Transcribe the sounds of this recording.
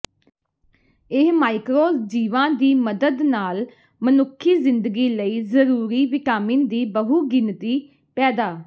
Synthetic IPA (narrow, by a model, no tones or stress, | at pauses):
ɪɦmaːɪkɾoːd͡ʒiːʋãːd̪iːməd̪əd̪naːl | mənʊkʰːiːzɪnd̪əɡiːləiːzəɾuːɾiːʋɪkaːmĩːnd̪iːbəɦuːɡɪnt̪iː | pɛːd̪aː